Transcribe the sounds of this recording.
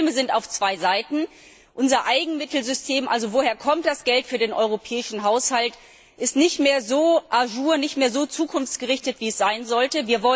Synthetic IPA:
məzɪntaʊft͡sv̥aɪzaɪtn̩ | ʔʊnzɐʔaɪɡŋ̩mɪtl̩zʏstʰeːmʔalzovoːheːɐkʰɔmt̚d̥asɡ̥ɛltfyːɐdeːnʔɔʏʁ̞opʰɛːɪʃn̩ɦaʊshalt | ʔɪstnɪçtmeːɐzoːʔaʒuːɐnɪçtmeːɐzoːt͡suːkʰʊnft͡sɡ̥əʁɪçtətv̥iːɛsz̥aɪnzɔltəviːɐvɔ

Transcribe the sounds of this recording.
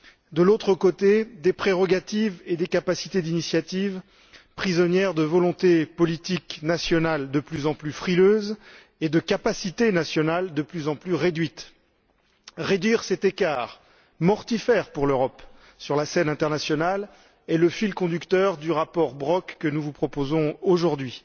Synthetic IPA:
d̪əlot̪χəkot̪ed̪epχeʁɔɡat̪ived̪ekapasi̥t̪ed̪inisjat̪iv | pχizɔnjɛʁd̪əvɔlɔ̃t̪epɔlit̪iknasjɔnald̪əplyzɑ̃plyfχiløz | ed̪əkapasit̪enasjɔnald̪əplyzɑ̃plyʁed̪ɥit̪ | ʁed̪ɥiʁsɛt̪ekaːʁ | mɔʁt̪ifɛʁpuʁløʁɔp | syʁlasɛnɛ̃t̪ɛʁnasjɔnal | ɛləfilkɔ̃d̪ykt̪œʁd̪yʁapɔʁbʁɔkːənuvupχɔpozɔ̃oʒuʁd̪ɥi

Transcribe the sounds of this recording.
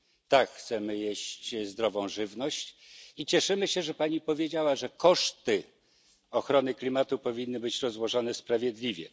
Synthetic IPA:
t̪akxt̪sɛmɘjeɕt͡ɕzd̪ɾɔvɔ̃w̃ʐɘvnɔɕt͡ɕit͡ɕɛʂɘmɘɕɛʐɛpaɲipɔvʲjed͡ʑawaʐɛkɔʂt̪ɘ | ɔxɾɔnɘklʲimat̪upɔvʲinːɘbɘt͡ɕɾɔzwɔʐɔnɛspɾavʲjɛd̪lʲivʲjɛ̰

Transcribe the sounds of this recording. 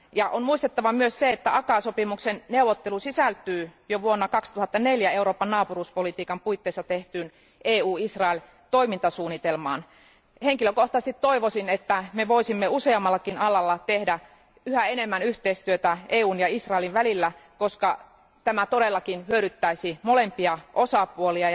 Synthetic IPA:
jɑʔonmuist̪et̪ːɑʋɑmyøsseet̪ːæʔɑkɑsopimuksenneuʋot̪ːelusisælt̪yːjoʋuonːɑkɑkst̪uhɑt̪ːɑneljæeuɾoːpːɑnnɑːpuruːspolit̪iːkɑmpuit̪ːeːsːɑt̪eht̪yːn | ʔeːuːisrɑel | t̪oimint̪ɑsuːnːit̪elmɑ̰ːn | heŋkiløkoht̪ˑɑst̪it̪tːoiʋosinet̪ːæmeʋoisimːeuseɑmːɑlːɑkinɑlɑlːɑt̪ehdæ | yhæenemːænyht̪eist̪yøt̪æeːuːnjɑisrɑeliʋʋælilːækoskɑ | t̪æmæt̪oɾelːɑkinhyøɾyt̪ːæisimolempiɑʔosɑpuoliɑ

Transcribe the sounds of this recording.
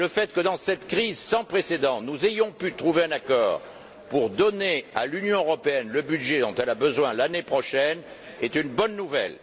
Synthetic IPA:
ləfɛt̪kəd̪ɑ̃sɛt̪kχizsɑ̃pχesed̪ɑ̃nuzejɔ̃pyt̪χuveɛ̃nakɔ̰ːʁ | puʁd̪ɔnea̰lynjɔ̃øʁɔpeɛnləbyd̪ʒed̪ɔ̃t̪ɛlabəzwɛ̃lanepχɔʃɛn | ɛt̪ynbɔnːuvɛ̰l

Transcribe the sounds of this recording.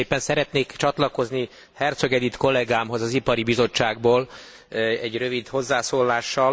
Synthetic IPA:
eːpːɛnsɛɾɛt̪neːkt͡ʃɒt̪lɒko̞zni | hɛrt̪sø̞ɡɛd̪it̪ko̞lːɛɡaːmɦo̞zɒzipɒɾibizo̞t͡ʃːaːɡ̚boːl | ɛɟrø̞vid̪ho̞zːaːsoːlːaːʃːɒl

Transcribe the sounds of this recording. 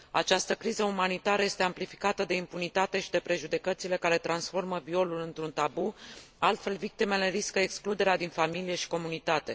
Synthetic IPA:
a̰t͡ʃast̪əkɾizəumanit̪aɾəje̞st̪e̞amplifi̥kat̪əd̪e̞impunit̪at̪e̞ʃid̪e̞pɾe̞ʒud̪e̞kət̪sile̞kaɾe̞t̪ɾansfo̞rməvio̞lulɨnt̪ɾunt̪abu | alt̪fe̞lvik̚t̪ime̞le̞ɾiskəeksklud̪e̞ɾead̪infamilije̞ʃi̥ko̞munit̪at̪e̞

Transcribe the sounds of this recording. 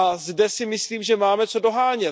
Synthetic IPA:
azdɛsɪmɪsliːmʒɛmaːmɛt͡so̞do̞ɦaːɲɛ

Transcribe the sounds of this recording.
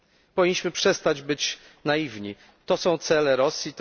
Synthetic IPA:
pɔvʲiɲːiɕmɘpʂɛst̪ad͡ʑbɘt͡ɕ | najivɲi | t̪ɔsɔ̃w̃t̪sɛlɛɾɔsʲjit̪

